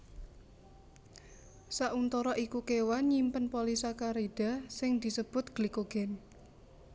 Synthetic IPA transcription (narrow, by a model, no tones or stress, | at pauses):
saʔunt̪ɔɾɔʔikukewanɲimpənpolisakaɾid̥a̤sɪŋd̪̥i̤səb̥ʊ̤t̪̚ɡ̥likoɡ̥ɛ̤n